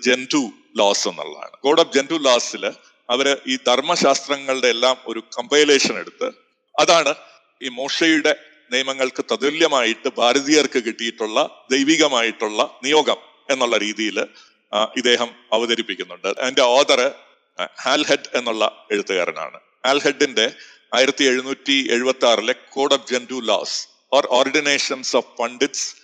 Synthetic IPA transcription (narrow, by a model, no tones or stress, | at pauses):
d͡ʑe̞ndu | loːse̞nːṵɭːɐ̰ða̰ːɳɨɡo̞ːɽɐb̚d͡ʑe̞nduːlaːsil | ɐʋɐɾʔiːd̪ʱɐrmɐɕaːst̪rɐŋːɐɭɨɽeːlːaːmo̞̰ɾukɐmbɐjleːʂɐneɽut̪ːɨ̰ | ɐðaːɳɨ | iːmoːʂɐjuɽe̞ | nijɐmɐŋːɐɭkɨt̪ɐðuljɐmaːjiʈːɨbʱaːɾɐðijɐrkɨkiʈːijiʈːuɭːɐd̪ejʋiːɣɐmaːjiʈːuɭːɐnijo̞ːɡɐm | e̞nːuɭːɐɾiːðijil | id̪e̞ːɦɐmɐʋɐðɐɾipːikʲːunːuɳɖɨʔɐnde̞oːd̪ɐrɨ | haːlheɖe̞nːuɭːɐ̰e̞ɽut̪ːɐɣa̰ːɾɐ̰na̰ːɳɨ̰ | aːlheɖːinde̞ | aːjiɾɐt̪ːie̞ɻunuːtːie̞̰ɻubɐt̪ːaːrilekʰoːɽofd͡ʑendulo̰ːs | oːro̰ːrɖine̞ːʂɐnsofpɐɳɖits